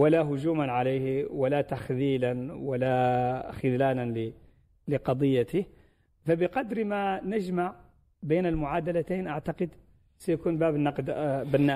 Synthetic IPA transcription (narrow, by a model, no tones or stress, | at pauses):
wɪlaɦʊʒuːmanʕaleːhwalat̪axliːlanwalaxɪd̪laːlanlɪ | lɪqɑd̪ˤɨjːat̪ɪ | fabɪqɑd̪ɾmanɪʒmaʕ | beːnɪlmʊʕaːd̪alat̪eːnʔaʕt̪aqɨd̪ | sajakuːnbaːbnːɑqd̪bɪnːa